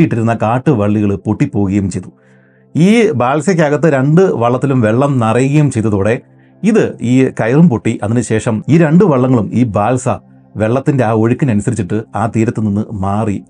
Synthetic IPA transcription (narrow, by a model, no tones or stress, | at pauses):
ijiʈːiɾunːɐkaːʈːɨʋɐɭːiɣɐɭɨpoʈːipːo̞ːuɣɐjumt͡ɕe̞jt̪u | iːbaːlsɐk̬ʲːaːɣɐt̪ːɨɾeɳɖɨʋɐɭːɐt̪ːilumʋe̞ɭːɐmnɐrɐjuɣɐjumt͡ɕe̞jt̪ːɐðoːɽe̞ | iðɨiːkɐjɐrumpoʈːiʔɐðinɨɕe̞ːʂɐmiːɾeɳɖɨʋɐɭːɐŋːɐɭumiːbaːlsɐ | ʋe̞ɭːɐt̪ːinde̞aːo̞ɻikʲːɐnɐnusɐɾit͡ɕːiʈːɨaːt̪iːɾɐt̪ːɨninːɨmaːri